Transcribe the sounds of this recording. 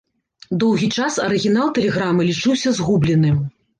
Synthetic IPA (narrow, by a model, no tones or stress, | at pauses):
d̪ɔwɣʲit͡ʂasɐɾɨɣʲinalˠt̪ɛlʲɛɣɾamɨlʲit͡ʂɨwsʲɐzɣublʲɛnɨ